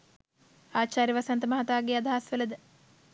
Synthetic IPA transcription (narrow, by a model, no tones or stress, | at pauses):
aːt͡ʃaːɾjiʋasɐnt̪əmɐɦɐt̪aːɡeɐd̪ʱaɦasʋeləd̪ə